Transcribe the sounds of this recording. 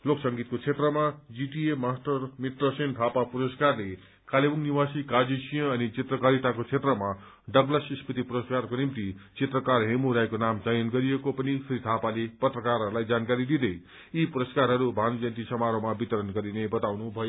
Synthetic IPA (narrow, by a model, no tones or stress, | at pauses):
loksʌŋɡit̪̚kot͡sʰet̪rʌmad͡ziʈiemasʈʌrmit̪rʌsent̪ʰapapuɾʌskarle | kalebuŋniwasikad͡zisijʌ̃ʌnit͡sit̪rʌkʌɾiʈakot͡sʰet̪rʌma | ɖʌblʌsispit̪ipuɾʌskarkonimt̪it͡set̪rʌkarɦemuɾajkonamt͡sʌjʌnɡʌɾijekopʌnisrit̪ʰapalepʌt̪rʌkarɦʌɾulajd͡zankaɾid̪id̪ʌj | ipuɾʌskaɾɦʌɾubʱanud͡zʌnt̪isʌmaɾomabit̪ʌɾʌnɡʌɾinebʌt̪awnubʱʌjo